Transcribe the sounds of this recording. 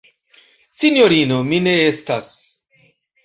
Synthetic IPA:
sinjoɾinomineest̪as

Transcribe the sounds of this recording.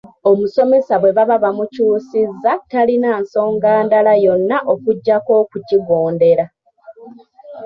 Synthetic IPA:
o̞muso̞me̞saβwe̞βaβaβamucuːsizːatalinaːnso̞ːŋɡaːndalajo̞nːaʔokuɟːako̞ːkuciɡo̞ːnde̞ɾa

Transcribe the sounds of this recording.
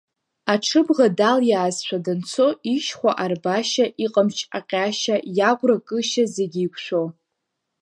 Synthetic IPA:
aʈ͡ʂʰɨbʁadaljaːzʃʷʰadant͡sʰo̞iʃχʷaʔarbaʃaʔiqʼamt͡ʃʰaqʲʼaʃajaʁʷʼrakʼɨʃazeɡʲiːkʷʰʼʃʷo

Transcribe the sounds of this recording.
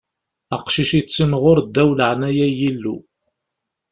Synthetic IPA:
æqʃiʃit͡sːinʁʊɾd̪ːæwləʕnæjæjilːṵ

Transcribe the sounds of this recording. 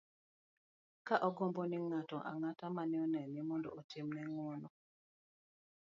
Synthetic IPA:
kaʔɔɡɔmbɔniŋatɔʔa̰ŋatamanɪɔnɛnimɔndɔ̰otɪmnɛŋwɔnɔ

